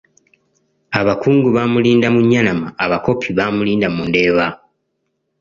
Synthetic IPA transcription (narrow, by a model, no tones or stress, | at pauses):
aβakuːŋɡuβamuliːndamuɲːanamaːβako̞pʰiβaːmuliːndamunde̞ːβa